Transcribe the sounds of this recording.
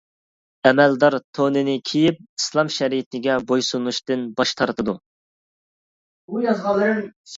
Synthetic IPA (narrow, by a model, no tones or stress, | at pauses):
ɛmɛld̪ɑɾt̪ʰonɨnɪkʲʰijip̚islˠɑmʃɛɾijit̪ʰɪɡʲɛbojsunuʃt̪ɨnbɑʃt̪ʰɑɾt̪ʰɨd̪u | bujɑzʁɑlˠːɨɾɨŋ